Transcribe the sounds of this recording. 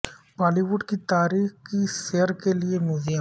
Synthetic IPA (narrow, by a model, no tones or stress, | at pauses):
baːliʋʊɖkit̪aːɾiːxkisejəɾkeliemjuːzijə